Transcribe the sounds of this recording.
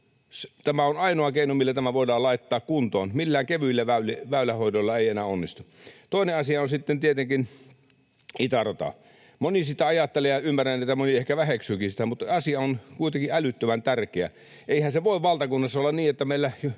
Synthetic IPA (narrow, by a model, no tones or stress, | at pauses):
st̪æmæonɑinoɑkeinomilːæt̪æmæʋoˑidɑːlɑˑit̪ːɑːkkunt̪o̰ːnmilːæːŋkeʋyilːæʋæyleʋæˑylæhoˑidolːɑeˑienæːonːist̪ut̪oˑineɑsiɑonsit̪ːent̪iet̪eŋkin | it̪ɑrot̪ɑ̰ | monisit̪ːˑæɑjɑt̪ːelejɑymːærænnit̪ːæmoniehkæʋæheksyːkinsi̥t̪æmut̪ːɑsiɑonkuit̪eŋkiælyt̪ːømænt̪ærkeæ̰ | ʔeihænseʋoˑiʋʋɑlt̪ɑkunːɑsːɑolːɑnniːet̪ːæmeilːæj